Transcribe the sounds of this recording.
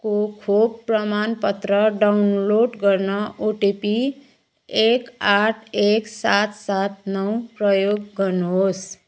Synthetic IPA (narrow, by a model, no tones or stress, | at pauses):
kokʰob̚prʌmanpʌt̪ɾʌɖawunloɖɡʌɾnʌʔoʈipi | ekaʈʰeksat̪sat̪̚nʌwpɾʌjoɡːʌɾnuɦos